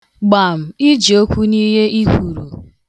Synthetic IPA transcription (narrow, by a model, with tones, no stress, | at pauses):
ɡ͡ba˨m̩˨i˦d͡ʒi˨o˦kʷu˦ni˦ɦe˦ʔi˦kʷu˨ɾṵ˨